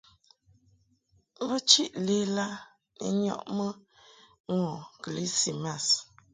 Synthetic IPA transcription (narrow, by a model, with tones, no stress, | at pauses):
bə˦t͡ʃi˦ʔle˦la˦ | nḭ˨ɲɔ̰˦˨ʔmə˦ | ŋɔ˨kli˦si˨ma˦˨s